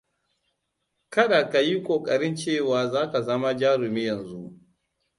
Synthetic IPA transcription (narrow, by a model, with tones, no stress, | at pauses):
kɐ˦ɗa˨ka˨ji˦kʷʼoː˨kʼɐ˨ɾɪ˦nt͡ʃeː˦˨waː˨zaː˦ka˨zɐ˦ma˦d͡ʒaː˦ɾʊ˨miː˦jɐ˨nzu˦ʔ